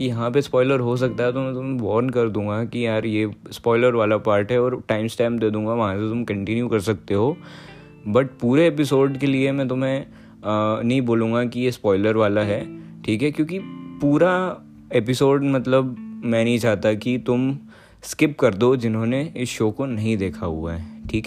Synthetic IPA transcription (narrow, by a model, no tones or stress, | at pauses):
kijɐɦãp̬espɔːɪləɾɦos̬ɐk̚t̪aɦɛt̪omɛ̃t̪ʊmʋɔːɾnkɐɾd̪ũːŋɡakijaːɾjeːspɔːɪləɾʋaːlapaːɾʈɦɛɔːɾʈaːɪmsʈɛ̃ːmpd̪eːd̪ũːŋɡaʋɐɦãset̪ʊmkɐ̃ɳʈɪnjukɐɾsɐk̚t̪eɦoː | bɐʈ̚puːɾeeːpɪsoːɖkeliemɛ̃ːt̪ʊmɦẽ | nɐɦĩboːlũːŋɡakijespɔːɪləɾʋaːlaɦɛː | ʈʰiːkɦɛkjõːkipuːɾa | epɪsoːɖmɐt̪ləbmɛ̃ːnɐɦĩt͡ʃaːɦt̪akit̪ʊm | skɪpkɐɾd̪od͡ʒɪnɦõːneɪsʃoːkonɐɦĩd̪eːkʰaɦua̰ɦɛʈʰiːkɦɛ